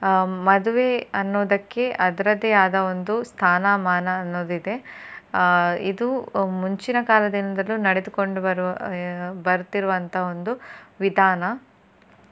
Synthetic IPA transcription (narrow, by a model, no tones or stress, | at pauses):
mɐd̪uʋe̞ɐnːoːd̪ɐkːe̞ʔɐd̪ɐɾɐd̪ɛjaːd̪ɐo̞nd̪ust̪ʰaːnaːmaːnɐːnːoːd̪id̪e̞ | id̪umuɲt͡ʃinɐkaːlɐd̪inɐd̪ɐlːunɐɽed̪uko̞ɳɖuɐɾ | bɐɾut̪iɾuʋɐnt̪ɐɦɐo̞nd̪uʋid̪ʱaːnɐ